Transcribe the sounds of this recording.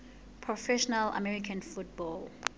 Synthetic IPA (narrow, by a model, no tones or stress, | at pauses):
pʰɹɔfɛʃɔnala̰mɛɹikʰãnfut̚bɔl